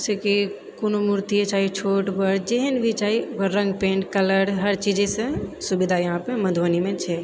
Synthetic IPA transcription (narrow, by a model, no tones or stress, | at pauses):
seki | konomuɾt̪ijet͡ʃaɦit͡ʃʰoʈbəɾd͡ʒeɦənbʱit͡ʃaɦiɾə̃ŋɡpẽɳʈkələɾɦəɾt͡ʃid͡ʒesə̃subid̪ʱajəɦãpeməd̪ʱʋanimẽt͡ʃʰɛ